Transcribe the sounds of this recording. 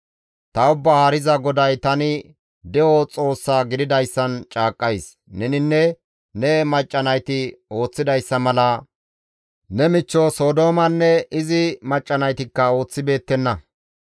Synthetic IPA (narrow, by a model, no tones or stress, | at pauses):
t̪ɐʊbːɐhaːɾɪzɐɡɔd̪ɐjt̪ɐnɪ | d̪ɛot͡sʼo̞ːsːaːɡɪd̪ɪd̪ɐjsːɐnt͡ʃʼaːkʼːɐjs | nɛnɪnːɛ | nɛmɐt͡ʃʼːɐnɐjt̪ɪo̞ːt͡sːɪd̪ɐjsːɐmɐlɐ | nɛmɪt͡ʃːoso̞ːd̪o̞ːmɐnːɛɪzɪmɐt͡ʃʼːɐnɐjt̪ɪkːɐo̞ːt͡sːɪbe̞ːt̪ːɛnːɐ